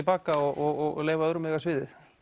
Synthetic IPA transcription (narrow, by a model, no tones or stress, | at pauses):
lpaːkaɔɔɔleːjvaœɾʏmɛːɣasvɪːðɪθ